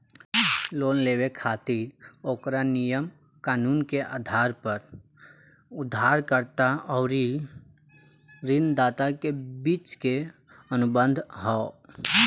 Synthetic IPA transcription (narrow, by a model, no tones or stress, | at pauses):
loːnleːwekʰaːt̪iːɾoːkɾanijəm | kaːnuːnkeʔa̰ːd̪ʱaːɾpəɾ | ʊd̪ʱːaːɾkəɾt̪aɔːɾi | ɾɪnd̪aːt̪akebiːt͡ʃke | ənʊbə̃nd̪ʱɦɔː